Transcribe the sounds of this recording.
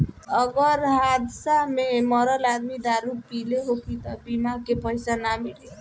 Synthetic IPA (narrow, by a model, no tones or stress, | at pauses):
ʌɡʌɾɦad̪samemʌɾʌlad̪mid̪aɾupileɦokit̪ʌbimakepʌjsanamiɽe